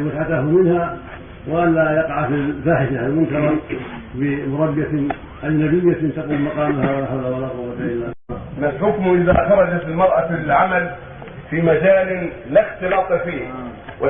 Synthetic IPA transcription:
wasat̪ahmɪnha | waʔalːaːjɑqɑʕafifaːħɪʃaalmʊnkɑɾˤɑbɪmʊɾˤɑbːa | ʔajnabɪjːat̪aquːlmɑqɑːmahawalaħalawalaqʊwːat̪aɪnamalħʊkmʔɪða̰xɑɾˤɑd͡ʒat̪ɪlmɑɾˤʔafilʕamal | fiːmad͡ʒaːlɪlaxt̪ɪlɑːt̪ˤfiːhwa

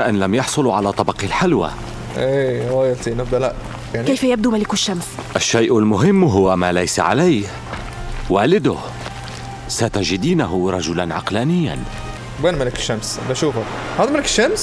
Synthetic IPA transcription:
ʔɪnlamjɑħsˤʊlʕalat̪ˤɑbɑqilħalwa̰ | ʔeɣɑjælt̪inæb̚d̪ælaʔ | jaʕnkejfajab̚d̪umalɪkʊʃːamsʔaʃːajʔalmʊɦɪmːɦʊwːamalajsa̰ʕa̰lajh | waːlɪd̪ʊh | sat̪aʒɪd̪iːnaɦʊɾˤɑʒʊlanʕɑqlaːnɪjːa̰n | bænmalɪkɪ̥ʃːamsbæʃuːfa | hɑd̪ˤmalɪkɪ̥ʃːams

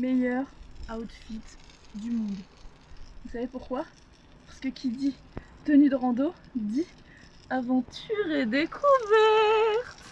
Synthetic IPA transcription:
mejœʁat̪fit̪d̪ymɔ̃d̪ | vusavepuʁkwa | paʁsə̥kəkʲʰid̪i | t̪ənyd̪əʁɑ̃d̪od̪i | avɑ̃t̪yʁed̪ekʰuvɛʁt̪

